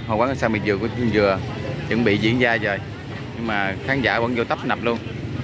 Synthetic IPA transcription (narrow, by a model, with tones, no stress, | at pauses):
haː˨˩waː˨˦ŋə˨˩saː˧wmi˨˩nzɨ˨˩ku˨˦˧zɨ˨˩ət͡ɕɨ̰˧˥ŋɓḭ˧˨zḭ˧˥ənzaː˧zə˨˩j | ɲɨ˧ŋmaː˨˩xaː˨˦nzaː˧˩və̰˧˥nzo˧t̪ə˦˥p̚na˨˩p̚lu˧ən